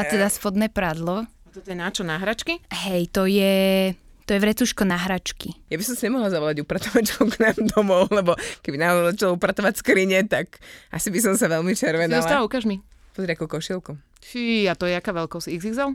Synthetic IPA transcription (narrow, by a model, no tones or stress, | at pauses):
at̪ɛd̪asfɔd̪nɛːpɾad̪lɔ | at̪ɔt̪ɔjɛnat͡ʃɔnaɦɾat͡ʃkiɦɛjt̪ɔjɛ | t̪ɔjɛʋɾɛt͡suːʃkɔnaɦɾat͡ʃkijabisɔmsiɲɛmɔɦlazaʋɔlaɟupɾat̪ɔʋact͡ʃkɔknaːmd̪ɔmɔʊlɛbɔkɛbinaɔɔzat͡ʃalɔupɾat̪ɔʋacskɾiɲɛt̪akʔa̰sibis̬ɔmsaʋɛlmit͡ʃɛɾʋɛnɔsat̪aʋaukaːʒmipɔzɾɪakukɔʃilˠku | fiat̪ɔjɛakaːʋɛlkɔsiɣzizal